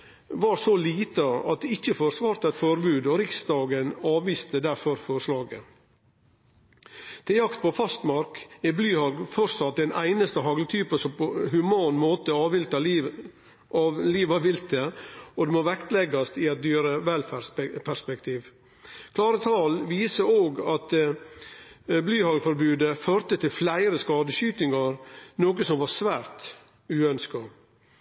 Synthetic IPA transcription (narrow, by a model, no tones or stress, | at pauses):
ʋɑːɾsoliːt̪əɑ̰t̪̚d̪ɛɪçəfoːɾsʋɑːɾt̪əɛt̪fɔɾbʉːd̪ɔɾɪksd̪ɑːɡənɑːʋʋiːst̪əd̪æɾfɔɾfɔɾʂlɑːɡə | t̪ʰɪljɑkt̪̚pɔfɑst̪mɑɾkɛblyːhɑɡfɔɾsɑt̪̚d̪ɛnæ̰ɪnəst̪əɦɑɡlət̪ʰyːpəsɔpohʉmɑːnmoːt̪əɑːʋɪlt̪ɑ | ɑliːʋɑʋɪlt̪əɔd̪ɛmɔʋɛkt̪lɛɡɑst̪ɪɛt̪̚d̪yːɾəʋɛlfæpʰæspɛkt̪ʰiːʋ | kʰlɑːɾət̪ʰɑːlʋiːsəoːɡɑt̪ | blyːhɑːɡfɔɾbʉːd̪əføːɾt̪ət̪ʰɪlflæɪɾəskɑːd̪əʃyːt̪ɪŋɑɾnoːkəsɔmʋɑɾsʋæːɾt̪ | ʉːœnskɑ